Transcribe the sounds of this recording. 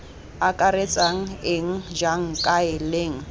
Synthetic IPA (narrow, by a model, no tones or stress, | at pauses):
akʼaɾet͡sʼaŋ̩ɪŋ̩d͡ʒaŋ̩kʼaɪleːŋ̩